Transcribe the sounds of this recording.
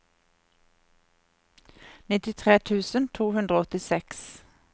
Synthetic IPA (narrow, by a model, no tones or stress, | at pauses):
nɪt̪ɪt̪ʰʁeːt̪ʰʉːsənt̪ʰuːhʉnd̪ʁoːɔt̪ɪsɛks